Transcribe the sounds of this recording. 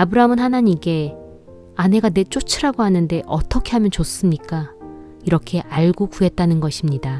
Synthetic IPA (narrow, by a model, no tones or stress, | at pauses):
abɯɾamɯnhanaɲike̞ | ane̞ɡane̞t͡ɕ͈ot͡ɕʰiɾaɡoɦanɯnde̞ʔʌt͈ʌkʰe̞ɦamjʌnt͡ɕos͈ɯmɲik͈a | iɾʌkʰe̞ʔaɭɡoɡue̞t̚t͈anɯnɡʌɕʰimɲida